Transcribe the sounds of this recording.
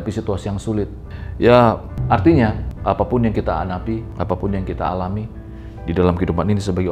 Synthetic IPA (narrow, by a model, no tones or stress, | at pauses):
pisit̪uasijaŋsulɪt̪̚ja | art̪iɲaapapʊnjaŋkit̪aa̰napiapapʊnjaŋkit̪a̰alami | didalamkidupaninisəbaɡi